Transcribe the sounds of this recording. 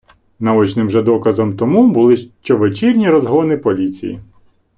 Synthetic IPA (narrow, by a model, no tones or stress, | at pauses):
nɐɔt͡ʃnɪmʒɛd̪ɔkɐzɔmt̪ɔmubʊlˠɪʃt͡ʃɔʋet͡ʃirʲnʲiɾɔzɦɔnɪpɔlʲit͡sʲḭjḭ